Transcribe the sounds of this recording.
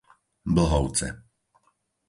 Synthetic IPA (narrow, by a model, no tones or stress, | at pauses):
bl̩ɦɔʊt͡sɛ̰